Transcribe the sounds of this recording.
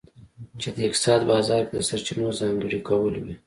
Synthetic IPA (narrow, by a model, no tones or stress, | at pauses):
t͡ʃed̪əɪk̚t̪sɑd̪bɑzɑɾkd̪əsaɾt͡ʃinozɑŋɡəɽikawəlwḭ